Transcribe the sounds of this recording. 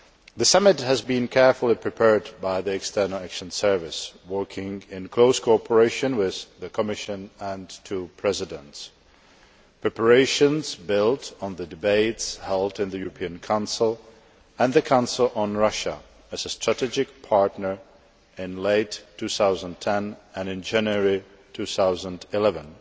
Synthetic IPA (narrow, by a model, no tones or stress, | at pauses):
ðɨsamɨt̚hɨzbĩnkʰɛɹfl̩ˠipʰɹ̥ɨpʰɛɹd̚baɪðiɨkstʰɜ˞nl̩ˠækʃə̃nsɜ˞vɪswɜ˞kʰɪ̃ŋɪ̃nkʰl̥oʊskʰoɔpʰə˞eɪʃɨ̃nwɪððɨkʰəmɪʃɨ̃nə̃ntʰupʰɹ̥ɛzɨdə̃nts | pɹ̥ɛpə˞eɪʃɨ̃nzbɪlˠtn̩ðɨdɨbeɪtshɛlˠdɨ̃nðɨjʉɹəpʰĩɨ̃nkʰãʊ̃nsl̩ˠ | ə̃nðɨkʰãʊ̃nsl̩ˠə̃nɹʌʃə | ɨzəstɹ̥ətʰɛd͡ʒɪk̚pʰɑɹtnə˞ | ɪ̃nleɪtʰːʉθaʊzə̃ntʰɛ̃nɨ̃nɨ̃nd͡ʒæ̃njəɹi | tʰʉθaʊzə̃ndɪlɛvə̃n